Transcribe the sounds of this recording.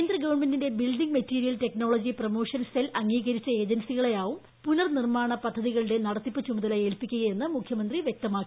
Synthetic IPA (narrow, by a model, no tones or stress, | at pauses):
nd̪rɐɡɐʋɐnme̞ndinde̞bilɖiŋɡmɐtːiːɾijɐlte̞kno̞ːɭod͡ʑiprɐmo̞ːʂɐnselɐŋːiːɣɐɾit͡ɕːɐe̞ːd͡ʑɐnsiɣɐɭejaːʋum | punɐrnirmaːɳɐpɐd̪ʱːɐðiɣɐɭiɽe̞nɐɽɐt̪ːipːɨt͡ɕumuðɐlɐjeːlpikʲːuɣɐje̞nːɨmukʰjɐmɐnd̪riʋjek̚t̪ɐmaːkːi